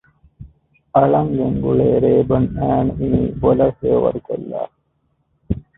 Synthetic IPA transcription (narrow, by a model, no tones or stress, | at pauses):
ɐɭɐŋɡeŋɡuɭeːɾeːbɐnæːniibolɐfeːʋɐ̰ɾkɐ̰lːa̰ː